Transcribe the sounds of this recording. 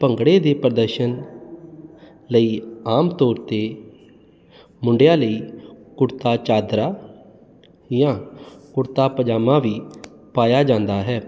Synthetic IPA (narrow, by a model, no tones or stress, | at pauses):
pəŋɡɽeːd̪eːpɾəd̪əɾʃən | ləiːaːmt̪ɔːɾt̪eː | mʊɳɖɪjaːləiːkʊɾt̪aːt͡ʃaːd̪ɾaː | jãːkʊɾt̪aːpəd͡ʒaːmãːʋiː | paːjaːd͡ʒãːnd̪aːɦɛː